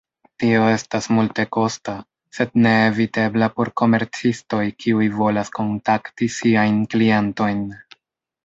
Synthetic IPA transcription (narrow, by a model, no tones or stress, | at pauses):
tio̞e̞stasmulte̞ko̞sta | se̞d̚ne̞ːvite̞blapo̞ɾko̞me̞ɾt͡sisto̞jkʰiujvo̞lasko̞ntaktisiajnkliento̞jn